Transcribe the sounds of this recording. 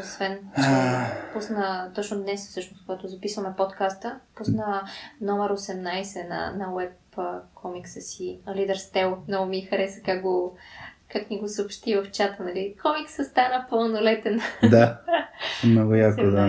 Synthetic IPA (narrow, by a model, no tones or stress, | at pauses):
osvɛnapusnət̪ɔt͡ʃnʊd̪nɛsfsɤʃnʊskoɡat̪ʊzɐpisvəmɛpot̪kast̪əpusnənɔmɛɾosɛmnajsɛnɐ̰nɐwɛpː | kʰɔmiksəsilid̪ɛɾst̪ɛlˠmnɔɡʊmixɐɾɛsə̥kakɡokakniɡosəʊpʃt̪ivəft͡ʃat̪ənɐlikɔmiksəst̪anəpəlˠnolɛt̪ɛnd̪a | mnɔɡʊjakod̪a